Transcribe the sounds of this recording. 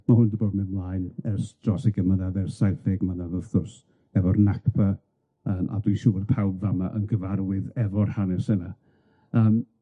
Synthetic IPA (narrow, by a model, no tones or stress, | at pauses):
mahʊndiboːdmɪnmlˠajnɛrsdrɔsɛɡəmanaðɛrsajθɛɡmanavəθʊrs | ɛvɔrnakpʰa | əːmʔa̰dwiʃurpʰawbvamaʔənɡəvarwɨðɛvɔrhanɛsəna | əːm